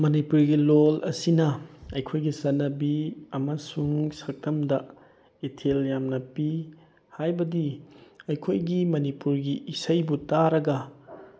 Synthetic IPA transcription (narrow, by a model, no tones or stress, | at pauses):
mɐnipuɾɡilolɐsinɐɐjkʰojɡisɐnːɐbiɐmɐsuŋsɐk̚tʰɐmdɐ | etʰeljamnɐpi | hajbɐdiɐjkʰojɡimɐnipuɾɡiʔːsɐjbutaɾɐɡɐ